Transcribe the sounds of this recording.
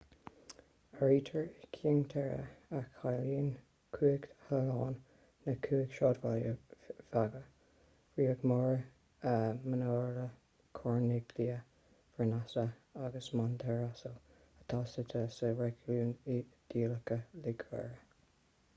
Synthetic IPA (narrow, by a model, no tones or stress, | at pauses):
əɹiːtʰəɹkʰiŋt̪ʰɛɹə̰əkːajliːn | kʰuːəɡhəlɑːnː | əkʰuːəɡʃɑːdvaljəfaɡə | fɹiːəɡmɔɹ | əmənɔːlə | kʰɔɹnɪɡliə | fənasəaɡəsmant̪ʰɛɹasəl | ət̪ʰɑːsət̪ʰəsəɹɛɡluːnd̪̥iːləkəlɪɡvɛ̰ɹə